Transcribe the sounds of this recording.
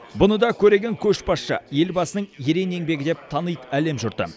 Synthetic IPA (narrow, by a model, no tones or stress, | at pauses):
bʊnəd̪ɑkʲʰɵɾe̞ɡʲe̞ŋkʲʰɵʃbɑsʃə̰je̞lbɑsənəɴjeɾe̞ne̞ŋbe̞ɡʲɪd̪e̞p̚t̪ʰɑnəjt̪æle̞mʒʊɾt̪ə̰